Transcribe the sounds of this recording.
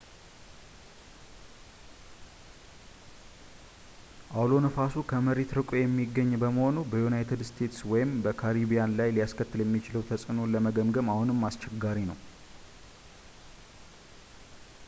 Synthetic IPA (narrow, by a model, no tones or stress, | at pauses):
ʔawlo̞nəfasukʰəməɾet̪ɾɨkʼojɛmːiɡːəɲːbəməho̞nubəjunajt̪ʰɨd̪st̪ʰe̞t̪swɔjɪmbəkʰaɾibijanlajlijaskʰət̪ːɨljɛmːit͡ʃɪləwt̪ʰəsʼɨno̞ləməɡəmɡəmahunɨmːast͡ʃɛɡːaɾinəw